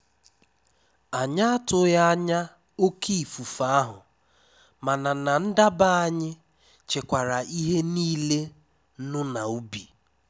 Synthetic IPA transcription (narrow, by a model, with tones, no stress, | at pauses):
a˨ɲa˦a˦tʊ˦ja˦a˦ɲa˦ | o˦kʰi˦˨fu˨fa˦a˦ɦʊ̰˨ | ma˨na˨na˨n̩˦da˦ba˦a˦ɲɪ˦ | t͡ʃe˨kʷa˨ɾa˨ʔi˦ɦe˦niː˦le˦ | nʊ˦na˨u˦bi˨